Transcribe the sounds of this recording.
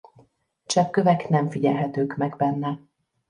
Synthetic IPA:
t͡ʃɛpkøvɛknɛɱfiɟɛlɦɛt̪øːkmɛɡbɛnːɛ

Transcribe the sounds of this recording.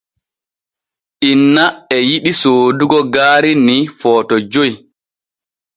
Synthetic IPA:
ʔinːaɛjiɗisoːduɡɔɡaːɾinifɔːtɔd͡ʒoj

